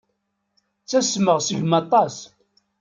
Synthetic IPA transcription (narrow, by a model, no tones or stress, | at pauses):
t͡sːæsməʁsiʝmɑt̪ˤɑs